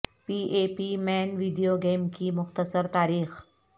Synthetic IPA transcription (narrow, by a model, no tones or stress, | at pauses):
piʔepiːmɛnʋiːɖijoɡemkiːmʊxt̪əsəɾt̪aːɾiːx